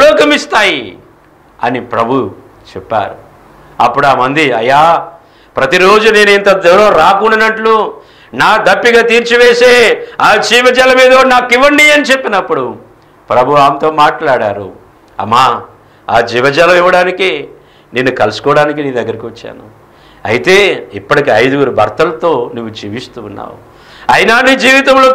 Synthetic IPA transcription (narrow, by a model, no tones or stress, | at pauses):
lɔːkɐmist̪aːji | ɐ̰nipɾɐbʱu | t͡ʃɛpːa̰ːɾu | ɐ̰pːuɽuaːmɐnd̪iɐ̰jːaː | pɾɐt̪iɾo̞ːd͡ʒune̞ːnent̪ɐd̪ɛwɾɐmɾaːkuɳːɖɐnɐʈlu | naːd̪ɐpːiɡaːt̪iːɾt͡ʃiʋeːseːaːd͡ʒiːʋɐd͡ʒɐlɐmiːd̪onaːkːiʋɐɳɖiɐnit͡ʃepːinɐpːuɽu | pɾɐbʱuʋaːmt̪o̞ːmaːʈlaːɽa̰ːɾṵ | ɐ̰mːaː | a̰ːd͡ʒiːʋɐd͡ʒaːlɐiʋɐɽaːniki | nenːukɐlusu̥kɔːɽaːnik̬iniːd̪ɐɡːɐɾikiʋɐt͡ʃːa̰ːnu | ɐ̰jit̪e̞ːipːɐɽikiɐjd̪uɡuɾubʱɐɾt̪ɐlɐt̪o̞ːnuʋːud͡ʒiːʋist̪uːnːa̰ːwu | ɐjnaːɳɖid͡ʒiːʋit̪ɐmlo